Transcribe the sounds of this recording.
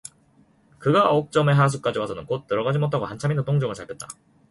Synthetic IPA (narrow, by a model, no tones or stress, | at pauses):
kɯɡaok̚t͡ɕ͈ʌme̞ɦas̬ʰuk͈ad͡ʑiwasʰʌnɯnkot̚t͈ːɯɾʌɡad͡ʑimot͈ʰaɡoɦant͡ɕʰaminotʰoŋd͡ʑʌŋɯɭt͡ɕ͈ʰaɭk͈ʌt̚t͈a